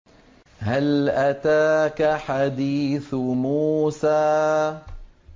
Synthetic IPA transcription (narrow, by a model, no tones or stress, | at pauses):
halʔat̪aːkaħad̪iːθmuːsaː